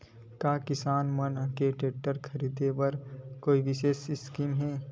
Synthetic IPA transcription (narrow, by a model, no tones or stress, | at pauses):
kaːkɪsaːnmɐnkeʈeːʈəɾkʰɐɾiːd̪epɐɾkoːiʋɪʃeːʃɪskiːmɦɛː